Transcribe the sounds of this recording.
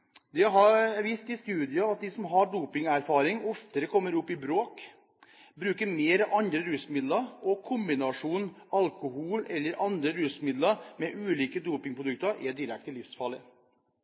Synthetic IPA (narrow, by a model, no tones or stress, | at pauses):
d̪ɛɦɑɾʋiːst̪ɪst̪ʉːd̪ɪɑɑt̪̚d̪ɪsɔmɦɑɖuːpɪŋæɾfɑːɾɪŋɔft̪əɾəkʰɔmːəɾʊpːɪbɾoːk | bɾʉːkəɾmeːɾʔɑnd̪ɾəɾʉsmɪd̪lɑɾɔkʰʊmbɪnɑʂuːnɑlkʊhuːlɛlːəɾʔɑnd̪ɾəɾʉːsmɪd̪ləɾmɛʔʉːliːkəd̪uːpɪŋpʰɾʊd̪ʉk̚t̪əɾʔæɖɪɾɛk̚t̪əlɪfsfɑlə